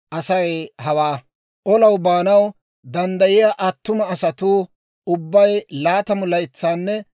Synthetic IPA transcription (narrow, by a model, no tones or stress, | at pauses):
ʔɐsɐjehɐwaː | ʔɔlɐwbaːnɐw | d̪ɐnd̪ɐjɪjaʔɐt̪ːʊmɐːsɐt̪uː | ʊbːɐjlaːt̪ɐmʊlɐjɪt͡sːaːnːɛ